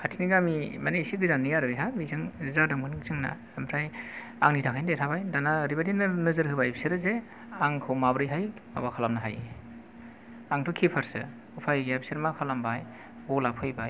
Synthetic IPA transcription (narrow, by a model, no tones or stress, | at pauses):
kʰatʰiniɡamimanesiɡɯzanːijaɾɯjɦamizɯŋzadaŋmɯnɯkzɯŋna̰ | mpʰɾaj | a̰ŋnitʰakʰajndetʰabajdanaɾibadinnɯzɯɾhɯbajibʰsiɾɯze | aŋkʰɯwmabɾɯjɦajma̰bakʰalamnaɦa̰j | aŋtʰɯkʰipʰaɾsɯ̰ | upʰajɡiajpsiɾmakʰalambaj | bɔlapʰɯjbaj